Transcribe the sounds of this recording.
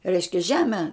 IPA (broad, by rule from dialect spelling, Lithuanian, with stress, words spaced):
ˈrʲɛɪʃʲkʲɛ ˈʒʲæːmʲɛ